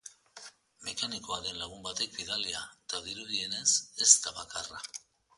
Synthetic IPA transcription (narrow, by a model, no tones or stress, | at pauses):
me̞kaniko̞aðe̞nlaɣ̞umbat̪e̞k̚biðaliat̪aðiɾuðie̞ne̞se̞st̪aβakara